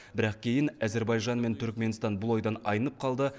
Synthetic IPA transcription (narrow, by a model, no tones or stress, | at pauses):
bɪɾɑq̚kʲʰe̞jɪnæze̞ɾbɑjʒɑnme̞nt̪ʰʏɾkme̞nst̪ɑnbʊlˠo̞jd̪ɑnɑjənəp̚qʰɑlˠd̪ə